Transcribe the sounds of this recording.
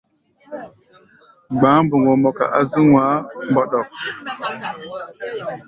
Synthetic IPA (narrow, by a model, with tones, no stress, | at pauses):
ɡ͡ba˨˦mbə˨ŋo˨mo˨ka̰˨ʔa˦zi˦ŋwa˨˦mbo˦ɗo˨k